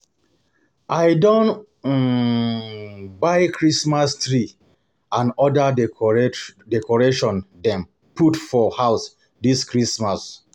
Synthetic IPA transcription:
ʔaɪdõn | baɪkʰɹismastɹi | ãnɔda | dɛkɔɹeʃɔ̃ndɛ̃m | putfɔhaʊs | diskɹismas

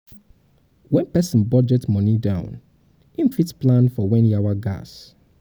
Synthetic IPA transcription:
wɛ̃npɛsɔ̃n̩bɔd͡ʒɛtmɔ̃nidãʊ̃n | ĩmfitsplãnfɔwɛ̃njawaɡa̰s

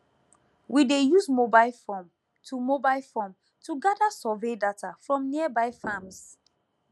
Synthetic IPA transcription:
widejusmobaɪlfɔ̃m | tʰumobaɪlfɔ̃m | tuɡadasɔvedatafɹɔ̃mniəbaɪfãms

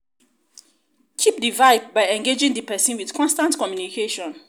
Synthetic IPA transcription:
kʰip̚divaɪdbaɪɛ̃ŋɡed͡ʒɪ̃ŋdipɛsĩnwið̥kʰɔ̃nstãntkʰɔmjunikʰeʃɔ̃n

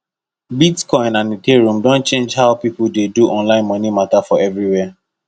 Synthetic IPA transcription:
bitkɔ̃ɪ̃nãnĩtʰeɹũmdɔ̃nt͡ʃẽnd͡ʒɦaʊpipudeduʔɔ̃nlãɪ̃nmɔ̃nimatafɔɛvɹiwɛ

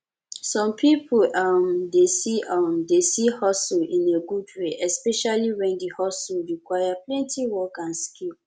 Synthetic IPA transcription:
sɔ̃mpʰipʰoʔamdesiʔamdesihɔsulĩneɡudweʔɛspɛʃaliwɛ̃ndihɔsuɹikwajaplɛ̃ntiwɔkãnskil

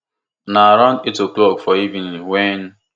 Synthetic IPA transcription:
naɾɔnitoklokfɔivĩn̩liwen

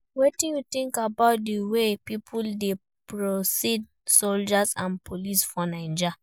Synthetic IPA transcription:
wetĩnjutĩŋkabaʊt̚diwepipʰulde | pɹosid̚ | sold͡ʒasãnpʰolisfɔnãɪ̃nd͡ʒa

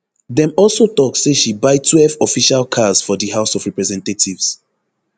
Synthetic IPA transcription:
dɛ̃mɔlsotɔk̚seʃibaɪtʰwɛfɔfiʃalkʰaz̥fɔdihaʊsɔvɹɛpɹɛzɛ̃ntatʰivs

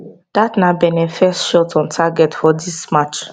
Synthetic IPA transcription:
d̥atnabɛnɛ̃fɛstʃɔtɔ̃ntʰaɡɛtfɔdismat͡ʃ

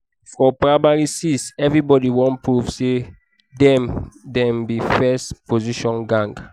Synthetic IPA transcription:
fɔpɹamaɹisisɛvɹibɔdiwɔ̃npɹuvse | dɛ̃mdɛ̃mbifɛspʰoziʃɔ̃nɡãŋɡ

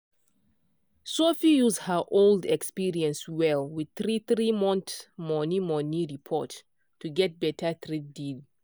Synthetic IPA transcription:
sofijuzdhəʔolˠdɛkspiɹiə̃nswɛlwiθɹiθɹimɔ̃ntmɔnimɔniɹipʰɔ̰t | tːuɡɛt̚bɛtʰətɹidid

